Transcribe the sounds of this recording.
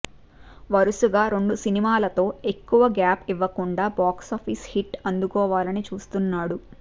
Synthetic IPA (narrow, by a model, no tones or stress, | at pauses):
ʋɐɾusuɡaːɾe̞ɳɖusinimaːlɐt̪o̞ːe̞kːuʋɐɡaːpiʋːɐkuɳɖaːbaːksaːpʰishiʈɐnd̪ukɔːʋaːlɐnit͡ʃuːst̪unːaːɽu